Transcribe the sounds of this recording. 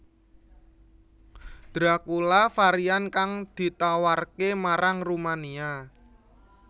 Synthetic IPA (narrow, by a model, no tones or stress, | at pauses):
d̪̥ɾakulafaɾiankaŋd̪̥i̤t̪awarkemaɾaŋrumania